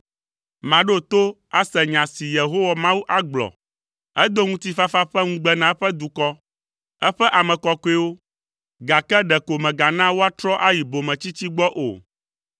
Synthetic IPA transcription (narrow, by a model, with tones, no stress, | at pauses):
mã˨ɖe˦˨t̪o˦ | a˦sɛ˨ɲã˨si˨je˨ɦo˦wɔ˨mã˦wu˦ʔa˦ɡ͡blɔ̰˨ | ɛ˦d̪o˦ŋũ˦t̪i˦fa˦fa˦ɸɛ˦ŋũ˦ɡ͡bɛ˦nã˨˦ɸɛ˦d̪u˨kɔ˦ | ɛ˦ɸɛ˦ʔa˨mɛ̃˨kɔ˨ko˦e˦wo˦ | ɡa˨kɛ˦ɖɛ˨ko˨mɛ̃˨ɡa˨nã˦wo˦a˦t̪ɾɔ˦ʔa˦ji˨bo˨mɛ̃˨t͡ɕi˦t͡ɕi˦ɡ͡bɔ˦ʔo̰˨